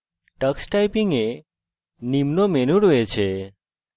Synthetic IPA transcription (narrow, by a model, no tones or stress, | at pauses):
ʈəksʈajpiŋɡe | nimnomenuɽʋet͡ʃʰe